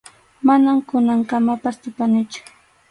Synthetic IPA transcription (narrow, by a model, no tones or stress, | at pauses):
manamkʊnaŋkamapast̪ʊpanɪt͡ʃʊ̥